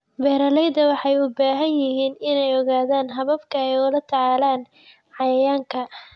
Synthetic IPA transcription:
bɛːɾɐlɛjd̪ɐwɑħɑjʊbaːɦɐnjɪɦiːnɪnɛjɔɣaːðaːnɦɐβɐbkʰɐɛjʊlɐt̪ʰɐʕɑːlaːn | ʕɑjɐjaːŋkʰɐ

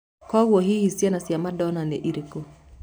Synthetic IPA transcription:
kɔwwɔɦihisianasjamadɔnanɛ̰ʔiɾiko

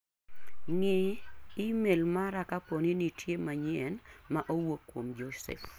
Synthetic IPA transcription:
ŋɪimelmaɾakaponinitʰjemaɲɛnmaʔowokːwomd͡ʒosɛ̰f

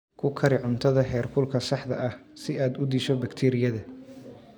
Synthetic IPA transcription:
kʰʊkʰɐɾɪʕʊnt̪ʰɐðɐɦɛːrkʰʊlkʰɐsɑħd̪ɐʔɐhsɪaːd̪ʊd̪iːʃɔbɐkt̪ʰɛːɾɪjɐðɐ

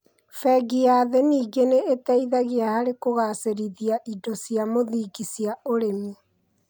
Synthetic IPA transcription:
fɛɡiaːðeniːɡeneetɛiðaɣeahaɾekoɣaseɾiðiaʔidosijamoðiːɡisiaoɾemi

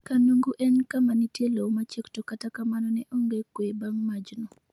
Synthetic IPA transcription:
kanuŋɡuʔɛnkamanitjelowmat͡ʃektokatakamanɔnɛʔoŋɡekwebaŋmad͡ʒnɔ

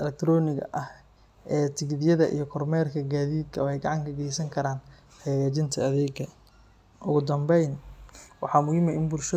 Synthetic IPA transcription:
ʔɛlɛk̚t̪ʰɾɔːnɪɡɐ̰ʔɐh | ʔɛːt̪ʰɪɡðɪjɐðɐʔḭjɞkʰɔrmɛːrkʰɐɡaːðiːd̪kʰɐwɛjɡɑʕɑŋkʰɐɡɛjsɐŋkʰɐɾaːn | ħɛːɣaːt͡ʃɪnt̪ʰɐɐðɛːɡɐ | ʔʊɣʊd̪ɐmbɛjnwɑħɑːmʊhɪmɛɪnbʊlʃɐ

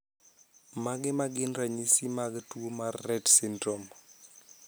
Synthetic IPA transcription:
maɡɪmaɡɪnraɲisimaɡɛtuomarːɛdsindrɔm

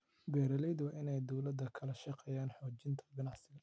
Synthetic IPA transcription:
bɛːɾɐlɛjd̪wɑːʔɪnɛjd̪ɔwlɐd̪ːɐkʰɐlɐʃɑqɛjaːnħɔːt͡ʃɪnt̪ʰɐ̥ɡɐnɑʕsɪɣɐ

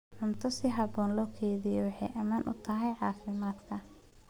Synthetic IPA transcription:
ʕʊnt̪ʰɔsɪɦɑbɔːnlɔːkʰɛːðɪjɔwɑħɑjʔɐmaːnʔʊ̰t̪ʰɐɦɛjʕɑːfɪmaːd̪kʰɐ

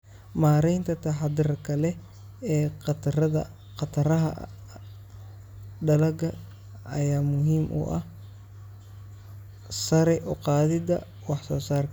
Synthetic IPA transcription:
maːɾɛjnt̪ʰɐt̪ʰɐħɑd̪ɪɾkʰɐlɛ | ɛːqt̪ɐðɐ̰ | qɑt̪ʰɐɾɐɦɐ̰ | ɖɐlɐɡɐ | ɐjaːmʊɦiːmʔʊ̰ʔɐ̰h | sɐɾɛʔɔqɑːðɪd̪ɐ | wɑħsɔːsaːrkʰɐ

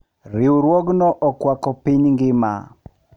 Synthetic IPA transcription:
ɾɪwɾwoɡnɔʔɔkwakɔpiɲŋɡɪma̰

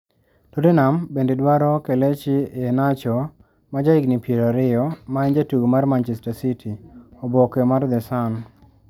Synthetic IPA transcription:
todenambendedwaɾɔkelet͡ʃɪenat͡ʃɔ | mad͡ʒaiɡnipjeɾaɾɪjɔmaɛɲd͡ʒatuɡomarmant͡ʃɛstasitʰiobɔkemard̪ɛsan

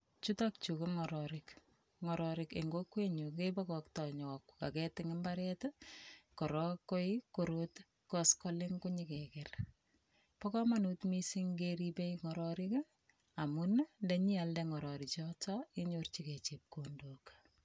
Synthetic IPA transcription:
t͡ʃutɔk̚t͡ʃukuŋɔɾɔɾɪk | ŋɔɾɔɾɪkḛŋɡokweɲukepɔkɔktɔɲɔka̰kɛtɪŋɪmbaɾɛtkɔɾɔkːojkoɾot | kɔskɔlɪŋkuɲikɛkɛr | pɔkɔmanutmisiŋɡeɾipeiŋɔɾɔɾɪk | amunndeɲialdɛŋɔɾɔɾit͡ʃɔtɔiɲort͡ʃiket͡ʃep̚kondok

